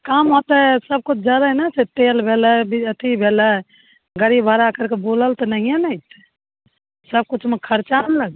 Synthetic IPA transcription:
kamɦot̪ɛsəb̚kut͡ʃʰd͡ʒəd̪ənɛset̪elbʱeləbiət̪ʰibʱelə | ɡəɾibʱəɾakəɾkeboləlt̪ɔnəɦijenəjt̪ | səb̚kut͡ʃʰmekʰəɾt͡ʃanləɡ

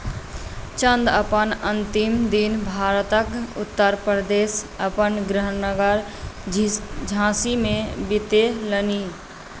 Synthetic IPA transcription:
t͡ʃə̃nd̪əpənə̃nt̪ɪmd̪ɪnbʱaːɾt̪əkʊ̰t̪ːəɾpɾəd̪eːsəpənɡɾəɦənːəɡəɾ | d͡ʒʱãːsimẽbɪt̪eləniː

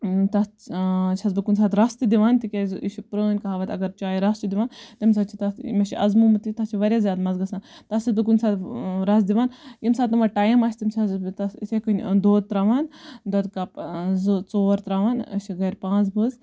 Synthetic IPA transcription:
t̪ɐ | t͡ʃʰɐzbɨkunʲsaːt̪ɾɐst̪ɨd̪iʋaːnt̪ikʲeziʃipɾəːnʲkɐɦaːʋat̪ʲɐɡɐɾt͡ʃaːjɾɐst͡ʃid̪iʋaːnt̪ɐmʲs̬at͡ʃʰit̪ɐmeʃiʔɐzmumɨt̪it̪ɐst͡ʃʰiʋɐɾʲjazʲjaːd̪mɐzɡɐsant̪ɐsʰisbɨk̬unʲsaːt̪ɾɐs̬d̪iʋaːnjimsaːt̪ːɨmɐʈaːjmɐʃʰʲt̪imt͡ʃʰɐzt̪ɐsit̪ʰʲekɨnʲd̪oːt̪ɾaʋaːnd̪ɐd̪kɐpzt͡soːɾt̪ɾaʋaːnʃiɡɐɾʲpãːt͡sbɨz

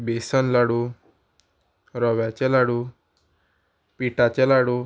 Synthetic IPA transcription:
besənlaɽu | ɾɔʋjat͡ɕelaɽu | piʈat͡ɕelaɽu

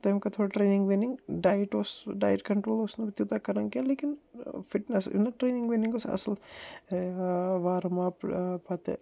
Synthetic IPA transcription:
t̪ɐjmkat̪ʰoːɽaʈɾeːnɪ̃ŋɡʋenɪŋɡɖaːjʈosɖaːjʈkɐɳʈɾoːlosnũbit̪jut̪akɐɾaŋkẽleːkɪnfɪʈnəsḭnɐʈɾeːnɪ̃ŋɡʋeːniŋɡosɐ̰səl | ʋaːɾmaːppɐt̪ḛ

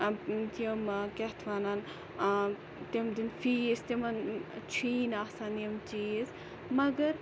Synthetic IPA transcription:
t̪iəmkɛt̪ʰʋanan | t̪imd̪infiist̪imɐnt͡ʃʰiːnasaniɐmt͡ʃis | mɐɡɐɾ

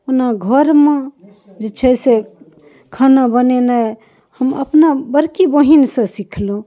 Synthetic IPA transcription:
onaɡʱəɾme | d͡ʒet͡ʃʰəse | kʰanabənena | həmə̰pnabəɾkibəɦinsə̃sikʰlõ

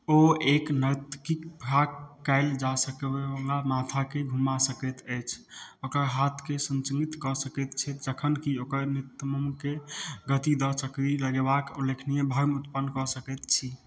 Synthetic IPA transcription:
oeknət̪kikbʰʱɾakːaɪld͡ʒasəkebebəŋlamat̪ʰakeɡʱumasəkɛt̪əjt͡ʃʰokəɾɦat̪ʰkesənt͡ʃəŋɡit̪kɔsəkɛt̪t͡ʃʰɛt̪d͡ʒəkʰənkiokəɾnit̪məmkeɡət̪id̪ət͡ʃəkɾiləɡebakulekʰnijebʱajmut̪pənːkɔsəkɛt̪t͡ʃʰi

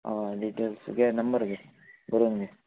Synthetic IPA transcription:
aɖiʈelsɡenɐmbɐɾɡe | bɐɾuŋɡe

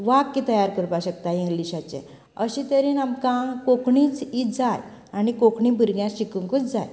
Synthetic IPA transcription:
ʋaɡkːit̪əjaɾkəɾpaɕək̚t̪aiŋɡliɕat͡ɕḛ̃ | əɕĩt̪əɾiːnamkãkokɳiːt͡siːt̪d͡zaj | anikokɳĩbʱəɾɡjãɕikuŋkut͡sd͡zaj

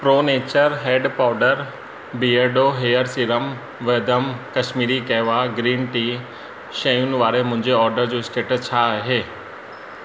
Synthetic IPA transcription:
pɾoːneːt͡ɕəɾɦeːɖpaːɖəɾ | bieɖoːɦeːəɾsiɾəm | ʋeːd̪əmkɐʃmiːɾikɛːʋaɡɾiːnʈiː | ʃɐ̃junʋaːɾemʊ̃ɦɪ̃ɲd͡ʑeɔːɾɖəɾd͡ʑoːɪsʈeːʈt͡ɕʰaɦeː

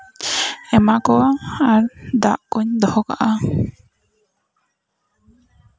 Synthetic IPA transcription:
ɛmakɔaaɾd̪aʔkuɲd̪ɔhɔka̰ʔa

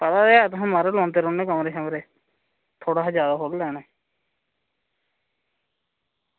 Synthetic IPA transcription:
pət̪aːd̪eːaːt̪ʊɦãːmaːɾeːlɔ̃ːnt̪eːɾʊːnẽːkəmɾeːʃəmɾeː | t̪ʰoːɽaːd͡ʒjaːd̪aːɦoːllɛːneː

